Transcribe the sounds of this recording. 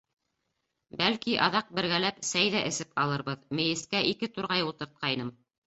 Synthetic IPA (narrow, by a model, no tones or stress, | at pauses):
bælkiʔɑðɑq̚bɘ̆ɾɡælæpsæjðæʔɘ̆sɘpɑlˠɤ̆ɾβɤðmɘ̆jɘ̆skæʔikɘt̪uɾʁɑjulˠt̪ɤ̆ɾt̪̚qʰɑjnɤm